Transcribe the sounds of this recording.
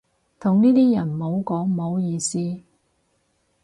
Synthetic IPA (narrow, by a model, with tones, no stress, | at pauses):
t̪ʰʊ˨˩ŋniː˥t̪iː˥jɐ˨˩nmo˨˧˥wkɔː˨˥ŋmo˨˧˥wjiː˧siː˥